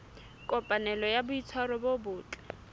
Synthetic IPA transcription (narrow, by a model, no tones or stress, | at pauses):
kʼɔpʼanɛlɔjabʊit͡sʰwaɾɔbobʊːt͡ɬʼɛ̥